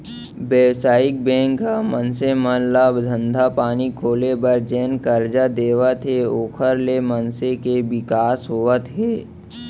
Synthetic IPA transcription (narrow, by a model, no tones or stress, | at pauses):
beːwsaːɪk̚bɛ̃ːŋkːamənsemənlabd̪ʱə̃nd̪ʱapaːnikʰoːlebəɾd͡ʒeːnkəɾd͡ʒad̪eːʋət̪ɦeoːkʰəɾlemənsekeʋɪkaːsɦoːʋət̪ɦeː